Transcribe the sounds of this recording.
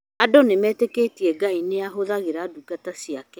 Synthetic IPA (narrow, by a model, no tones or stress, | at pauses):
adonemɛːtekeːtiɛɡaineaɦoðaɣeɾadukatasiakɛ